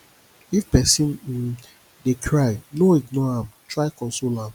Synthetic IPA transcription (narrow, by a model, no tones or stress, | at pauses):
ifpɛsĩn̩ | dekʰɾajnoitnoãmtʰɾaɪkɔ̃nsolãm